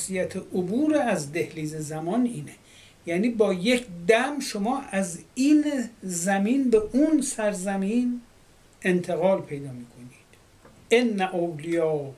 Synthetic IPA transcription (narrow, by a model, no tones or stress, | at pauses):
sijæt̪ʰeʔobuːɾeæzd̪e̞hliːzezæmɒːniːne | jæːniːbɒːjekʰd̪æmʃomɒːʔæziːnzæmiːnbeʔunsæɾzæmiːn | e̞nt̪ʰe̞ɣɒːlpʰe̞jd̪ɒːmiːkʰo̞niːd̪̥ | enːæʔowlijɒː